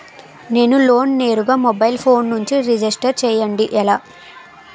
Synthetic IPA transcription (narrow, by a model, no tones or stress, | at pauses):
ne̞ːnulo̞ːnne̞ːɾuɡaːmɔbɐjlpʰo̞ːnːuɲt͡ʃiɾid͡ʒisʈɐɾt͡ʃɛːjɐɳɖiʔɛlaː